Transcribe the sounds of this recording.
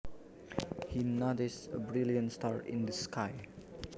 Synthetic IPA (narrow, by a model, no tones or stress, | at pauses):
hinɔdɪsəbɹilijə̃nstaɹɪ̰̃ndəskʰaɪ